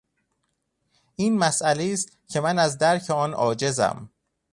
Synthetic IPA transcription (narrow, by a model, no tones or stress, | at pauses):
ʔiːnmæsæleiːst̪̚cʰe̞mænæzd̪æɾcʰeɒːnʔɒːd͡ʒe̞zæ̰m